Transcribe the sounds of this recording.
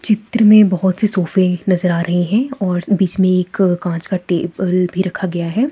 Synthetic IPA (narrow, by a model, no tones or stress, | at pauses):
t͡ʃɪt̪ɾəmẽbɐɦʊt̪sesoːfẽnɐzəɾaːɾɐɦiɦɛ̃ɔːɾbiːt͡ʃmẽeːkkãːt͡ʃkaʈeːbəlbʱiɾɐkʰaɡɐjaɦɛː